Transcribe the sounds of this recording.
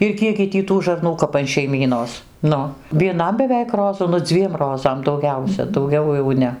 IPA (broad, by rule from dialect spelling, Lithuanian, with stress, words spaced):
ɪr ˈkʲiɛɡɡʲɪ ˈtʲiː tuː ʒɐrˈnuː kɐp ɐn ʃʲɛɪˈmʲiːnoːs ˈnʊ ʋʲiɛˈnɐm bʲɛˈʋʲɛɪk ˈroːzʊ nʊ ˈd͡zʲʋʲiɛm ˈroːzɐm dɐʊˈɡʲɛʊsʲɛ dɐʊˈɡʲɛʊ jɛʊ ˈnʲɛ